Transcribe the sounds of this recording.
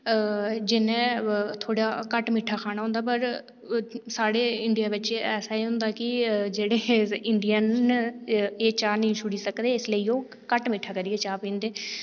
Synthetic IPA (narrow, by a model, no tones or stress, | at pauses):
d͡ʒɪnɛ̃ːt̪ʰoːɽaːkəʈmɪʈʰaːkʰaːnaːɦʊ̃ːnd̪aːpəɾ | saːɽeːɪɳɖijaːbətːʃeːɛːsaːiːɦʊ̃nd̪aːkɪd͡ʒeːɽeːɪɳɖijən | eːt͡ʃaːnĩsʊɽiːsəkd̪eːɪsləiːõː | kəʈmɪːʈʰaːkəɾiːɛːt͡ʃaːpĩːnd̪eː